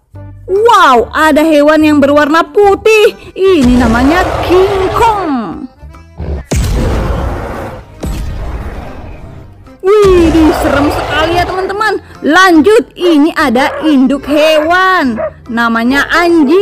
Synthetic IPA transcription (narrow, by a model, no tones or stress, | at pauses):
wauʔadaɦewanjaŋbərwarnaput̪ɪhininamaɲakʰiŋkɔŋ | ihdisəɾəmsəkalijat̪əmant̪əman | laɲd͡ʒʊt̪̚iniʔadaʔindʊkɦewanː | amaɲaʔaɲd͡ʒi